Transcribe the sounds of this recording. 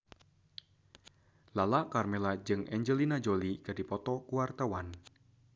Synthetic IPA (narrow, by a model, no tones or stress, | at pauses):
lalakarmɛlad͡ʒɨŋɛɲd͡ʒəlinad͡ʒolikadipɔt̪ɔkuwart̪awan